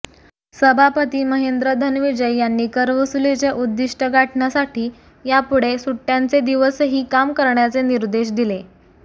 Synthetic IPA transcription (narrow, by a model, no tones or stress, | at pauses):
səbʱapət̪iːməɦend̪ɾəd̪ʱənʋid͡ʑəjjanːiːkəɾʋəsulet͡ɕeʔud̪ːiʂʈəɡaʈɳjasaʈiː | japuɽesuʈːjant͡sed̪iʋəsɦiːkamkəɾɳjat͡seniɾd̪eɕ̬d̪ile